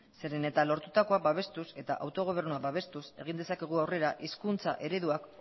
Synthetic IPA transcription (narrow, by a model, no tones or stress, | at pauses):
se̞ɾe̞ne̞t̪alo̞ɾt̪ut̪ako̞abaβ̞e̞st̪use̞t̪a̰ʔawt̪o̞ɣ̞o̞β̞e̞ɾnuabaβ̞e̞st̪use̞̰ɣ̞ind̪e̞sake̞ɣ̞uawre̞ɾaʔiskunt͡saʔe̞ɾe̞ðuak